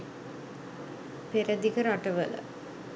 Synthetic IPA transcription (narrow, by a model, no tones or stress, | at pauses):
peɾɐd̪ikəɾaʈəʋələ̰